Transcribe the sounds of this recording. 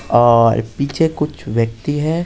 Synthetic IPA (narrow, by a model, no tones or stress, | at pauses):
ɔːɾpiːt͡ʃʰekʊt͡ʃʰʋjɐk̚t̪iɦɛː